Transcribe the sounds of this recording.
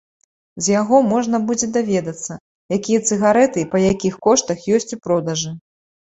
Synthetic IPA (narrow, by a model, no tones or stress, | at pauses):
zʲjaɣɔmɔʐnɐbud͡zʲɛd̪avʲɛd̪ɐt̪sːɐ | jakʲijɐt̪sɨɣaɾɛt̪ɨpɐjakʲixkɔʂt̪ɐxjɔsʲt͡sʲipɾɔd̪ɐʐɨ